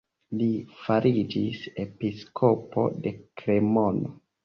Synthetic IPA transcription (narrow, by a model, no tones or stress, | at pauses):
lifaɾʔid͡ʒise̞piskʰo̞po̞̰de̞kɾe̞mo̞no